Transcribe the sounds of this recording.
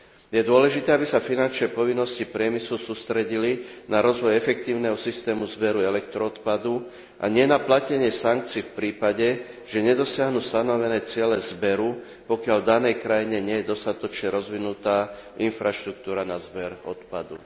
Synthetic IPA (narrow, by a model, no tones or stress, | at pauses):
jɛd̪ʊɔlɛʒit̪ɛːabisafinant͡ʃnɛpɔʋinːɔscipɾɪɛmisɛlsuːst̪ɾɛɟilinaɾɔzʋɔjɛfɛk̚t̪iːʊnɛɦɔsist̪ɛːmuzbɛɾuɛlɛkt̪ɾɔɔt̪pad̪u | ʔa̰ɲɪɛnaplacɛɲɪɛsaŋk̚t͡siːfpɾiːpaɟɛ | ʒ̥ɛɲɛd̪ɔsɪaɦnust̪anɔʋɛnɛːt͡sɪɛlɛzbɛɾu | pɔkɪald̪anɛjkɾajiɲɛɲɪɛjɛd̪ɔst̪at̪ɔt͡ʃɲɛɾɔzʋinut̪aːʔinfɾaʃt̪ɾuk̚t̪uːɾanazbɛɾɔ̰t̪pa̰d̪ṵ